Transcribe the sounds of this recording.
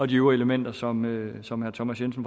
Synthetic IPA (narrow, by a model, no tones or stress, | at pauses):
ɒ̽d̥iyɐe̝ləmen̰d̥ɐsɒ̽møsɒ̽mhæɐt͡sʰɒmæsjensn̩f